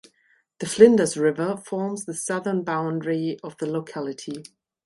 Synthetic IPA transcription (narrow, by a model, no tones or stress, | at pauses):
ðəflɪ̃ndəzɹɪvəfɔːmzðəsʌðənbãʊ̃ndɹiəvðəloʊkʰalɪtʰi